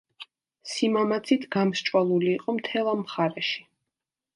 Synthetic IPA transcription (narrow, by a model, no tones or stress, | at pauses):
simamat̪sʰit̪ʰɡamʃt͡ʃʼwalˠuliːqʼɔmt̪ʰɛlˠamχaɾɛʃi̥